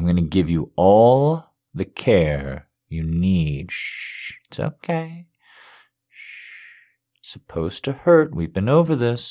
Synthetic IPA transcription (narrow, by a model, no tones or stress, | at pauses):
ɪ̃mɡʌnɨɡɪvjɨʔɔlˠ | ðɨkʰɛɹ | jɨnid | ɪtso̰ʊkʰeɪ | səpʰoʊz̥tʰɨhɜ˞t̚wivbɨ̃noʊvə˞ðɪs